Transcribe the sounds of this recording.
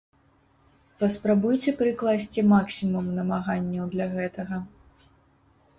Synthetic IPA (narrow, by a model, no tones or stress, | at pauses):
pɐspɾabujt͡sʲɛpɾɨklˠasʲt͡sʲimaksʲimumnɐmaɣanʲːɐwd̪lʲɐɣɛt̪ɐɣɐ